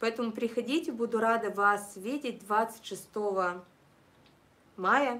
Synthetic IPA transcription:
pɐɛt̪əmʊpɾʲɪxɐdʲitʲɪbud̪ʊɾad̪ɨvasvʲitʲɪt̚ʲd̪vat̪sɨ̥tʲʂɨst̪ovɐ | majə

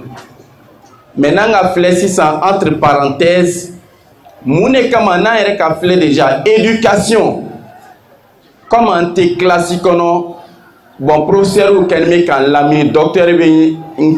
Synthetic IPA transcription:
mɛ̃nãɡaflɛsisããt̪ɾpaɾãtɛz | mũnekãmãnãjɛɾɛkaflɛdeʒaedykasjɔ̃ | kɔ̃mãn̩teklasikɔnɔ | bɔ̃pɾofesɛɾukɛnĩmekãn̩lamĩndɔk̚tɛɾbeŋ̩

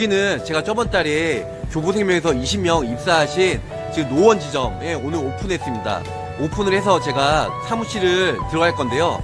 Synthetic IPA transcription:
ɡinɯnt͡ɕe̞ɡat͡ɕʰʌbʌnt͈aɾe | t͡ɕobosʰe̞ŋmjʌŋe̞s̬ʰʌiɕʰimmjʌŋip̚s͈aːɕʰin | t͡ɕɯnowʌnd͡ʑid͡ʑʌmje̞onɯɾopʰunɦe̞s͈ɯmɲida̰ | opʰunɯɭhe̞s̬ʰʌt͡ɕe̞ɡasʰamuɕ͈ʰiɾɯɭtɯɾʌɡɦaɭk͈ʌnde̞jo

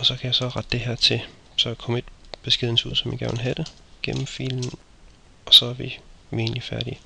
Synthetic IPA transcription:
ɒ̽sɒ̽kʰæjɑsɒ̽ʁɑ̈d̥̚ːe̝ɦæɐ̰t͡sʰe̝ | sɒ̽kʰɒ̽me̝d̥̚b̥e̝sɡ̥eðˠn̩sʰṵð̰ˠsɒ̽mjaɡ̥æɐnlɦæd̥ə | ɡ̥em̰m̩fḭln̩ | ɒ̽sɒ̽æɐʋiʋie̝ːnlifæɐɾ̥i

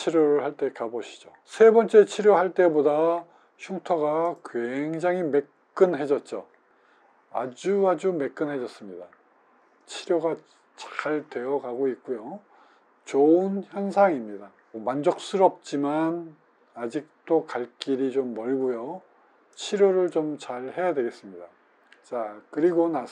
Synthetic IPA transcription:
t͡ɕʰiɾjoɾɯɭhaɭt͈e̞kaboɕʰi̥d͡ʑo | sʰe̞bʌnt͡ɕ͈e̞t͡ɕʰiɾjoɦaɭt͈e̞boda | ɕʰuŋtʰʌɡakweŋd͡ʑaŋime̞k | k͈ɯnɦe̞d͡ʑʌt̚t͡ɕ͈o | a̰d͡ʑuad͡ʑume̞k̚k͈ɯnɦe̞d͡ʑʌs͈ɯmɲida | t͡ɕʰiɾjoɡa | t͡ɕḁɭdwe̞jʌɡaɡoit̚k͈ujo | t͡ɕoɯnçjʌnsʰaŋimɲida | mʌmand͡ʑʌk̚s͈ɯɾʌp̚t͡ɕ͈iman | ad͡ʑik̚t͈okaɭk͈iɾit͡ɕomːʌɭɡujʌ | t͡ɕʰiɾjoɾɯɭt͡ɕomt͡ɕaɭhe̞jadweɡe̞s͈ɯmɲida | t͡ɕakɯɾiɡona

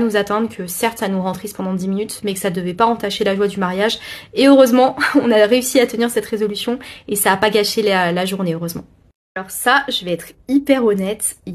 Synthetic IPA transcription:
nuzat̪ɛ̃d̪ʁkʰəsɛʁt̪sanuʁɑ̃t̪χispɑ̃d̪ɑ̃d̪iminyt̪mɛkə̥sad̪əvɛpaɑ̃t̪aʃelaʒwad̪ymaʁjaʒeøʁøzmɑ̃ɔ̃naʁeysiat̪əniʁsɛt̪ʁezɔlysjɔ̃esaːpaɡaʃelalaʒuʁneøʁøzmɑ̰̃ | alɔʁsaʒəvɛɛt̪χipɛʁɔnɛt̪

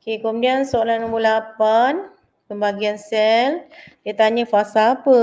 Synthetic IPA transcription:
okekomudiansoalanũmbulapan | pəmbaɡiansɛldiət̪aɲə̃fasaːpə

